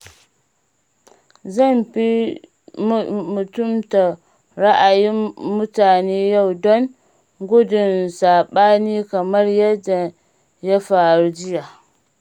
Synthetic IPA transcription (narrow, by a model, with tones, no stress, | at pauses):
za˦˨mɸi˦ | mu˨tʊ˦˨mta˨ | ɾa˦ʔa˨jiː˦ʊ˦taː˨neː˦ja˦˨wdɔ˦n | ɡʊ˦dʊ˨nsaː˨ɓaː˦niː˦ka˨mɐ˦ɾja˦dːa˨ | ja˦faː˨ɾu˦d͡ʒi˦ja˨